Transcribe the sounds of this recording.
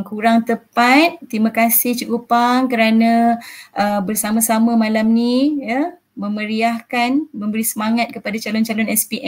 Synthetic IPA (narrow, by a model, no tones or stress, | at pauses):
kuɾaŋt̪əpat̪ːimãkasɪht͡ʃəkupaŋkəɾanãʔəbərsamãsamãmãlamnija | mə̃məɾiahkanmə̃mbəɾisəmaŋat̪̚kəpadat͡ʃalɔnt͡ʃalʊnɛspiʔ